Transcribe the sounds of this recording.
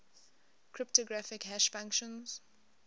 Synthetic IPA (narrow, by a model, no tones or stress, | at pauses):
kʰɹɪp̚toɡɹafɪkɦæʃfãŋkʃə̃nz̥